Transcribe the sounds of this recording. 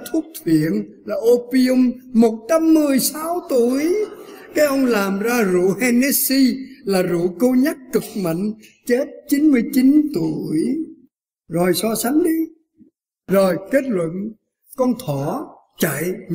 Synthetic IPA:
t̪ʰu˦˥əp̚t̪ʰwḭ˧˨ən | laː˨˩ʔo˧pi˧ʊ˧mːo˨˩t̚t͡ɕa˧mːɨ˨˩əjsa˨˦wt̪u˧˩əjkaː˦˥jʔə˧wŋ͡mlaː˨˩mzaː˧zṵ˧˨hɛ˧ne˨˧si˧laː˨˩zṵ˧˨kə˧wɲa˦˥k̚kɨ˨˩k̚mə̰˧˨ŋ̟t͡ɕe˦˥t̚t͡ɕi˨˦nmɨ˧əjt͡ɕi˨˦nt̪u˧˨əj | zo˨˩jsɔ˧sa˨˦ŋ̟ɗi˧ | zo˨˩jke˦˥t̚lwə̰˧˨n | kɔ˧nt̪ʰɔ˧˩ | t͡ɕa̰˧˨j

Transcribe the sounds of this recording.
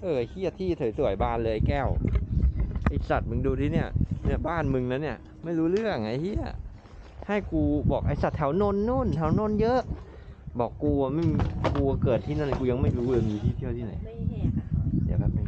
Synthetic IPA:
ʔɤː˧˩˨hi˥˩ɐt̪ʰiː˥˩t̪ʰɤ˨˦jsu˨˩ə˦jbaː˧˥˩nlɤː˧ʔa˧˩jkɛː˥˩w | ʔa˨˧˩sa˨˩t̪̚mɯ˧ŋduː˧t̪ʰiː˥˩ni˥˩ɐni˥˩ɐbaː˥˩nmɯ˧ŋna˦˥nːi˥˩ɐ | ma˥˩jɾuː˦˥lɯ˥˩əŋ˨ŋːa˧˥jhi˥˩ɐ | ha˥˩jkuː˧bɔː˨˩k̚ʔa˧˩jsa˨˩t̪̚ʰɛ˦˥wno˥˩nːuː˥˩˨nt̪ʰɛ˦˥wno˥˩˨njɤ˦˥ʔ | bɔː˨˩kːuː˧a˧ma˥˩˧kuː˧kɤː˨˩t̪ʰːiː˥˩na˥˩n˩kuː˧ja˧ŋma˥˩jluː˦˥lɤː˧miː˧t̪ʰiː˥˩t̪ʰi˥˩ət̪ʰi˥˩na˨˦j | d̪i˨˦ka˧˩ma˧˩

